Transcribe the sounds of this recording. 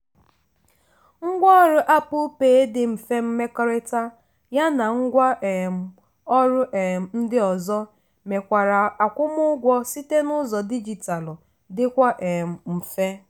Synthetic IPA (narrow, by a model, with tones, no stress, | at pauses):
ŋ̩˦ɡʷɔ˦ɔ˦ɾʊ˦ʔa˦pʊ˦peː˨e˦dɪ˨m̩˨fe˦m̩˦me˦kɔ˦ɾe˦ta˦ | ja˦na˨ŋ̩˦ɡʷa˦ʔe˨m̩˨ | ɔ˦ɾʊ˦ʔn̩˦dɪ˦ɔ˨zɔ˦ | me˨kʷa˨ɾa˨a˨kʷʊ˦mʊ˦ɡʷɔ˦si˦te˦nʊ˦zɔ˨di˦d͡ʒi˨ta˨lʊ˨ | dɪ˦kʷa˦ʔe˨m̩˨m̩˨fe˦